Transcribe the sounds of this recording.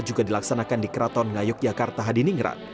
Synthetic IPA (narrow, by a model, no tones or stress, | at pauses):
d͡ʒuɡadilaksanakandikəɾat̪ɔnŋajʊk̚d͡ʒakart̪aɦadiniŋɾa̰